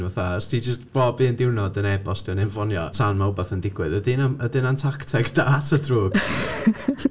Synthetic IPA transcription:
nɔθastʰid͡ʒəstb̥ɔːbiəndɪwnɔdənɛbɔstʰinɛɱvɔnjɔ̰tʰanmaʊbɛθəndɪɡwɨðədɪnamədɪnantʰaktʰɛɡdaːtʰədruːɡ̥

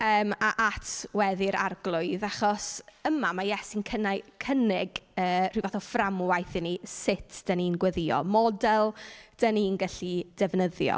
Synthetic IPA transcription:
əːmaʔatʰwɛðɪɾa̰rɡlˠʊɨðaχɔsəmamajɛsinkʰənakʰənɪɡəːr̥ivaθɔframwajθɪnisɪtʰd̥əninɡwɛðɪɔ̰mɔdɛlˠd̥əninɡaɬid̥ɛvnəðjɔ̰

